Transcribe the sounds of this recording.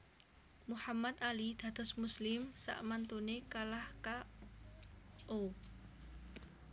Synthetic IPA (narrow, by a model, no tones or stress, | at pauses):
muhamat̪alid̪̥ä̤d̪̥ɔ̤smuslɪmsa̰ʔmant̪unekalahka | ʔo